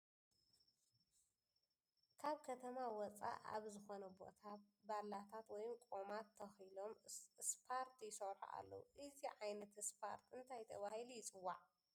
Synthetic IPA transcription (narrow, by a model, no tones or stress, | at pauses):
kʰaβkʰɐt̪ʰɐmawɔt͡sʼa̰ʔa̰βzɨxo̞nɐbo̞̰t̪ʰabalːat̪ʰat̪wɔjmkʼomat̪ʰːɐxɨlomɨspʰaɾt̪ʰjɪsɐwħa̰ʔa̰lːɐ̰wuʔɨziʕajnɐt̪ɨspʰa̰ɾt̪ʰɨnt̪ʰajt̪ʰɐβahilujɪt͡sʼɨwːaʕ